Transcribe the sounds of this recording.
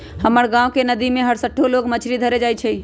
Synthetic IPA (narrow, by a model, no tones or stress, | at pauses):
həməɽɡãːʋkenəd̪imẽɦəɽsəʈʰːoloːɡmət͡ʃʰɾid̪ʱəɾed͡ʒaːit͡ʃʰe